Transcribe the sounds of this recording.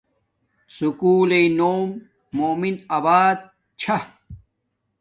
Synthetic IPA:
sukuːlenoːmː | oːminɐbaːd̪̚ | t͡ɕʰɐ

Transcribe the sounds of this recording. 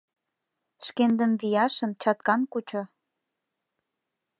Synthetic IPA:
ʃkend̪ənβijɑʃə̆nt͡ɕɑt̪̚kɑnkut͡ɕo

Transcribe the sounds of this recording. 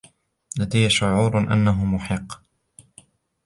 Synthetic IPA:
lad̪ajːaʃʊʕuːɾʔa̰nːaɦʊmʊħɪqː

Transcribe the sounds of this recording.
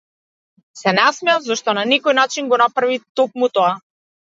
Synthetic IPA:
sɛnasmɛavzɔʃt̪ɔnanɛkɔjnat͡ʃinɡɔnapɾavit̪ɔk̚mut̪ɔa

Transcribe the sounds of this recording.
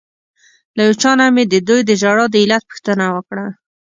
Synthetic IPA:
lajot͡ʃɑnamed̪əd̪ujd̪əʒaɽɑd̪əɪlat̪̚pə̥xt̪ənawəkɽa

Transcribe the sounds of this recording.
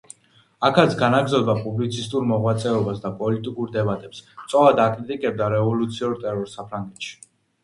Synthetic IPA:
akʰat̪sʰɡanaɡzɔvd̪apʼublit̪sʰist̪ʼuɾmɔʁwat̪sʼɛɔbasd̪apʼɔlit̪ʼikʼuɾd̪ɛbat̪ʼɛpst̪sʼɔlad̪akʼɾit̪ʼikʼɛb̚d̪aɾɛvɔlut̪sʰiɔɾt̪ʼɛɾɔɾsapʰɾaŋɡɛt̪ʃi̥

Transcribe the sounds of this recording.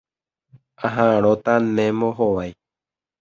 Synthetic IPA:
ãɦãɾot̪anẽmoɦoʋaj

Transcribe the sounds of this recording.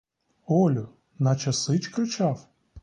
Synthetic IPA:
ɔlʲʊ | nɐt͡ʃɐsɪt͡ʃkɾɪt͡ʃɑw

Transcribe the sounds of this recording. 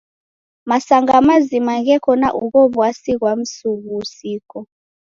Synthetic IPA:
masaŋɡamazimaɣɛkʰɔnaʔuɣɔβwasiɣwam̩suɣusiːkɔ

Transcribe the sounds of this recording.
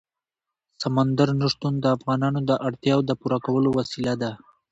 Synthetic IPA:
samand̪aɾnəʂt̪und̪əafɣɑnɑnod̪əʔaɽt̪jɑwd̪əpuɾakawəlowasilad̪a

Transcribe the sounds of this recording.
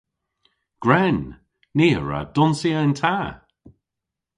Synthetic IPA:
ɡ̥ɹɛnː | iːəɹə̰d̥ʊnsiəɪntʰaː

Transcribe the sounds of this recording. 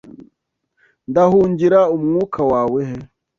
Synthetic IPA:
ndahuːɲɟiɾaumŋuːkʰawaːweɦe

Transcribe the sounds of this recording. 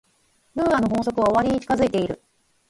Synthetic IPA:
bɯ̟̃ːanoɦõ̞ːso̞kɯ̟βaoβaɾʲiɲ̟it͡ɕi̥kazɨit̪e̞iɾɯ̟̰

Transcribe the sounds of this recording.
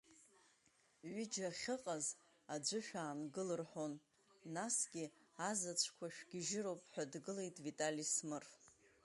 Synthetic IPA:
ɥɪd͡ʒaχʲɨqʼaz | ad͡ʒʷɨʃᶣaːnɡɨlɨrħo̞nː | asɡʲiazat͡ɕʷʰkʷʰaʃᶣɡ̥ʲɪʒɪɾo̞wpʼħʷᶣadɡɨlejtʼvitʼalismɨrf

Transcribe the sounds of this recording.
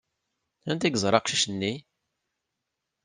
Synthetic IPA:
ænt̪iɡzˤɾˤɑqʃiʃənːi

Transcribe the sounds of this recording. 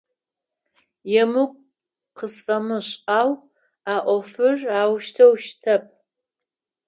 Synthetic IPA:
jɛmɨkʷʼ | qəsfɐmɨɕʼaːw | aːʔʷɔfɨraːwʃtʰɐwʃtʰɐp̚ʰʼ

